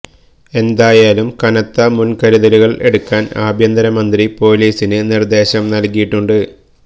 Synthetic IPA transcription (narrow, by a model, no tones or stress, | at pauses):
e̞nd̪aːjaːlumkɐnɐt̪ːɐmunkɐɾiðɐɾuɣɐɭe̞ɽukːaːnaːbʱjɐnd̪ɐɾɐmɐnd̪ripo̞ːliːsinɨnird̪e̞ːɕɐmnɐlkijiʈːuɳɖɨ